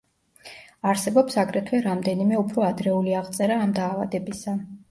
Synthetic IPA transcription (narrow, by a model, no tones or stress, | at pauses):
aɾsɛbɔpsaɡɾɛt̪ʰwɛɾamd̪ɛnimɛupʰɾɔad̪ɾɛuliaʁt̪sʼɛɾaːmd̪aːva̰d̪ɛbisa